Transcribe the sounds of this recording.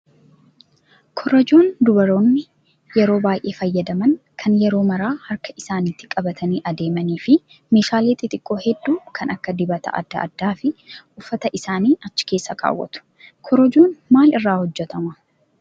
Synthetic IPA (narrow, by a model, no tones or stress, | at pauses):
kʰɔɾɐd͡ʒoːnd̪ʊbɐɾo̞ːnːɪ | jɛɾo̞ːbaːjʔe̞ːfɐjːɐd̪ɐmɐnkʰɐnjɛɾo̞ːmɐɾaːhɐɾkɐʔɪsaːniːt̪ːɪkʼɐbɐt̪ʰɐniːʔɐd̪e̞ːmɐniːfɪ | meːʃaːleːt̪ːɪt̪ʼɪkʼːo̞ːhɛd̪ːuːkʰɐnɐkːɐd̪ɪbɐt̪ɐ̰ʔɐ̰d̪ːɐʔɐ̰d̪ːaːfɪʊfːɐt̪ɐʔɪsaːniːʔɐt͡ʃːɪ̥ke̞ːsːɐkʰa̰ːwːɐ̰t̪ʊ̥ | kʰɔɾɐd͡ʒoːnmaːlɪrːaːhɔd͡ʒːɛt̪ɐmɐ